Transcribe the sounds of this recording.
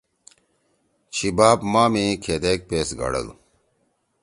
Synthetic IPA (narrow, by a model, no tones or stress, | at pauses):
t͡ɕʰibaːbmaːmĩkʰed̪eːk̚peːsɡɐ̰ɽɐ̰lṵ